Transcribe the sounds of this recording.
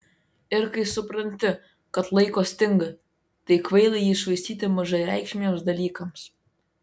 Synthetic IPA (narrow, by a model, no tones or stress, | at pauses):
ɪɾkɐɪsʊpɾɐnʲt̪ʲɪ | kɐt̪lˠɐɪkoːsʲt̪ʲɪŋɡɐ | t̪ɐɪkʋɐɪlˠɐjiːɪʃʋɐɪsʲt̪ʲiːt̪ʲɪmɐʒɐɪɾʲæˑɪkʃʲmʲɪomsd̪ɐlʲiːkɐms